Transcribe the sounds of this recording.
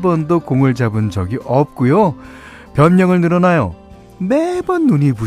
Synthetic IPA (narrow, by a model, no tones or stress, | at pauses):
bʌndokoŋɯɭd͡ʑabɯnd͡ʑʌɡiʔʌp̚k͈ujo | pjʌnːʌŋɯɭnɯɾʌnajo | mebʌnːuɲipu